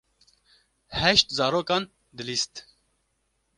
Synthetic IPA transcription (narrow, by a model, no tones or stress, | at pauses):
hɛʃt̪zɑːɾoːkɑːn | d̪ɨlist̪